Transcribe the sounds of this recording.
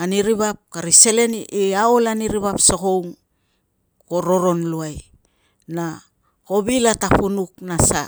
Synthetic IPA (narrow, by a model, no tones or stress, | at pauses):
aniɾiβap̚kaɾise̞le̞niʔiaolaniɾiβapsoko̞wŋ | ko̞ɾo̞ɾo̞nluaj | na | ko̞βilatapunuk̚nasa